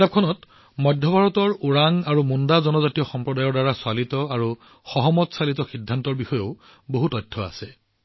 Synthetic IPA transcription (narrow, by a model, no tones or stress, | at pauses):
ap̚kʰɔnɔt | mɔjdʱjɔbʱaɹɔtɔɹuɹaŋaɹumundazɔnɔzatijɔxɔmpɹɔdajɔɹdaɹaswalitɔaɹu | xɔɦɔmɔtsalitɔxidʱːantɔɹbixɔjoʊ | boɦutɔjtʰːɔa̰sɛ